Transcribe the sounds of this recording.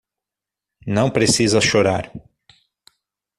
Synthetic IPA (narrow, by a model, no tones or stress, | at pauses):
nɐ̃w̃pɾesizɐsʃoɾa̰ɾ